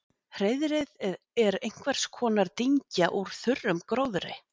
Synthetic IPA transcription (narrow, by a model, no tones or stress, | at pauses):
hɾejðɾɪð | ɛɾejŋ̥kʰvɛɾ̥skʰɔːnaɾt̪iɲcaʔuɾ̥θʏrːʏmkɾowðɾɪ̰